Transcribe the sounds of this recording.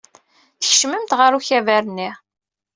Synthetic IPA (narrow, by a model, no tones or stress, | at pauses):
θə̥ç̥ʃməmt̪ʁəɾuçævæɾənːi